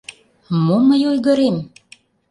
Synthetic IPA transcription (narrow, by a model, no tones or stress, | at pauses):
moməjojɣə̆ɾem